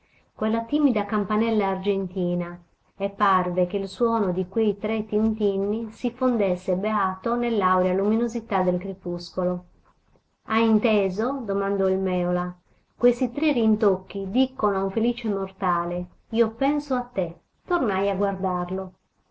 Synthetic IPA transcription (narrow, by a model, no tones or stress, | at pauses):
kwelːat̪iːmid̪akampanɛlːaːrd͡ʒent̪iːna | ɛpːarvekeilswɔːnod̪ikwejt̪ɾet̪ːint̪inːisifond̪esːebeaːt̪onelːawɾjaluminozit̪ad̪elkɾepuskolo | ajint̪eːzod̪omand̪ɔilmɛːola | kwest̪it̪ɾerint̪okːid̪ikːonoauɱfeliːt͡ʃemort̪aːle | iopɛnsoat̪ːe | t̪ornajaɡward̪arlo